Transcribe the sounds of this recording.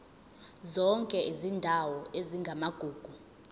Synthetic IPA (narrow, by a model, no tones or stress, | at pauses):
zɔŋkʼɛʔizindʱawɔeziŋɡʱamaɡ̥ʱuːɡ̥ʱu